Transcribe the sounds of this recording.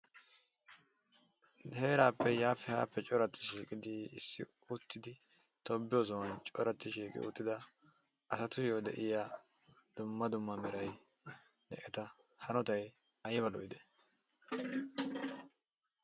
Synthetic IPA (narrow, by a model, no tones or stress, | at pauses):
heːɾaːpʰːɛjaːfɪha̰ːpːɛt͡ʃʼɔɾɐt̪ːɪ̥ʃiːkʼɪd̪ɪɪsːɪ̰ | ʊt̪ːɪd̪ɪ | t̪ɔbːɪjoːzɔwɐnt͡ʃʼɔɾɐt̪ːɪʃiːkʼɪ̰ʊ̰t̪ːɪd̪ɐ | ʔɐsɐt̪ʊjoːd̪ɛʔɪjaː | d̪̥ʊmːɐd̪ʊmːɐmɛɾɐj | d̪ɛ̰ʔɛt̪ɐ | hɐnɔt̪ɐj | ɐjɛβɐlɔ̰ʔɪd̪ɛ̥